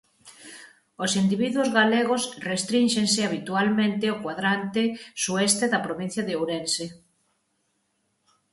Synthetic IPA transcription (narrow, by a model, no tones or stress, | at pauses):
osind̪iβiðwʊzɣaleɣosrest̪ɾinʃensɪaβ̞it̪ualmẽnt̪ɪokwaðɾant̪esuɛst̪eðapɾoβĩn̟θjaðeowɾense